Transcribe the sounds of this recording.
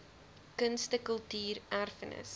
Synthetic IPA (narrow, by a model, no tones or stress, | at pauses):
kənstəkəlˠtiːrʔærfənə̰s